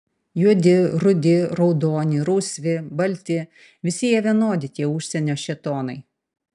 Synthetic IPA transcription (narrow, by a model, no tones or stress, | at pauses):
juɔd̪ʲɪɾʊd̪ʲɪɾɔʊd̪oːnʲɪɾuːsʲʋʲɪbɐlʲt̪ʲɪ | ʋʲɪsʲɪjɛʋʲiɛnoːd̪ʲɪt̪ʲiɛʊʃʲsʲɛnʲoːʃʲɛt̪oːnɐɪ